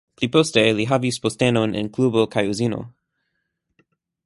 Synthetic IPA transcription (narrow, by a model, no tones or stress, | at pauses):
pliposteliɦavispostenonʔɪ̰̃nkʰlubokʰajuzino̰